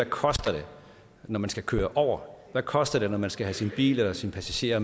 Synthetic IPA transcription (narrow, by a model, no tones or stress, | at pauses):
ækʰɒ̽sd̥ɐɾ̥e̝ | nɒmænsɡ̥ækʰøːɐʔɒʊ̰ɐʋækʰɒ̽sd̥ɐd̥e̝nɒmænsɡ̥æɦæsinb̥ḭːlelɐsinpʰæsæɕe̝̰ːɐ